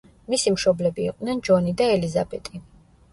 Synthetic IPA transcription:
misimʃɔblɛbiːqʼd̪nɛnd͡ʒɔnid̪aɛlizabɛt̪ʼi

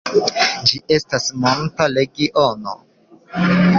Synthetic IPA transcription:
d͡ʒiʔe̞stasmontale̞ɡiʔono̰

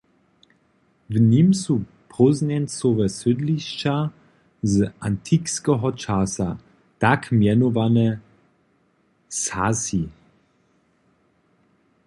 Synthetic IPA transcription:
vnimsu | pʁɔznɛnsovɛsʏdliʃt͡ʃa | zʔantʰikskɛɦɔt͡ʃasa | takmjɛnovanɛ | sasi

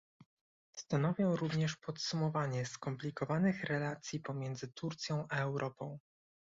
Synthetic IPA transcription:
st̪anɔvʲjɔ̃w̃ɾuvɲɛʂpɔt̪sumɔvaɲɛskɔmplʲikɔvanɘxɾɛlat̪sʲjipɔmʲjɛnd̪zɘt̪uɾt̪sʲjɔ̃w̃ʔaɛwɾʔɔpɔ̃w̃

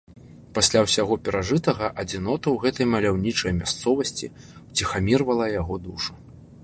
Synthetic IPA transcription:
pasʲlʲawsʲaɣɔpʲɛɾaʐɨt̪ɐɣɐʔɐd͡zʲinɔt̪ɐwɣɛt̪ɐjmɐlʲawnʲit͡ʂɐjmʲast̪sɔvɐsʲt͡sʲḭ | wt͡sʲixamʲirvɐlˠɐjaɣɔd̪uʂu̥

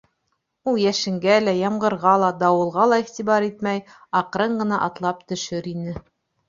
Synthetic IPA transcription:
ulˠjæʃɘ̆ŋɡælæjɑmʁɤ̆ɾʁɑlˠɑd̪ɑwɤ̆lˠʁɑlˠɑiχt̪iβɑɾit̪mæj | ɑqɾɤɴɢɤ̆nɑʔɑt̪lˠɑp̚t̪ɵ̆ʃɵɾinɘ

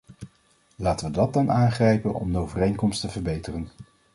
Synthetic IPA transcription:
laːtəʋədɑt̚dɑnaːnχrɛjpənɔ̰mdəowvərejŋkɔmstəvəɹbejtərən

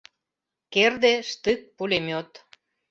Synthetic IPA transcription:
kerd̪eʃt̪ɨk̚pulʲemot̪

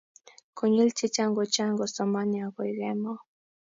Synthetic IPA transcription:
kɔɲilt͡ʃit͡ʃaŋɡɔt͡ʃaŋɡɔsɔmaniakɔiɣɛmɔ

